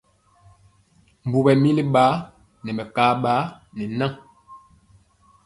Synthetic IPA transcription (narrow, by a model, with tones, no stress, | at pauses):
m̩˨bu˨bɛ˨mi˦li˦ɓaː˨˦ | nɛ˨mɛ˨kaː˨˦ɓa˨˦nɛ˨na˦˨